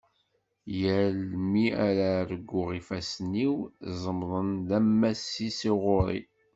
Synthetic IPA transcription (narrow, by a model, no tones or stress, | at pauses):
jəlmiaɾaɾəɡʷːʊʁifæsniwzˤəmðˤənðæmːæsːisiʁoɾˤḭ